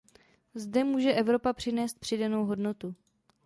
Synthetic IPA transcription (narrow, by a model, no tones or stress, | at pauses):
zdɛmuːʒɛʔɛvɾo̞papr̥ɪnɛːst̪pr̝̥ɪdano̞wɦo̞dno̞t̪u